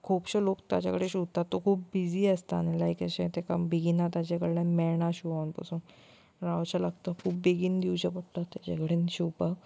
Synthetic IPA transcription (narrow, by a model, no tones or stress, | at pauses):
kʰupɕəlokt̪ja̰t͡ɕa̰kəɽeɕuʋt̪at̪ːokʰuːp̚bid͡ziːəst̪a̰nelajkəɕẽt̪eka̰beɡinat̪jat͡ɕakəɽilãmɛɭɳaɕuʋawnpa̰suːn | ɾaʋt͡ɕalaɡt̪əkʰuːp̚beɡind̪iut͡ɕapəɽt̪at̪ːjat͡ɕakəɽenɕuwpa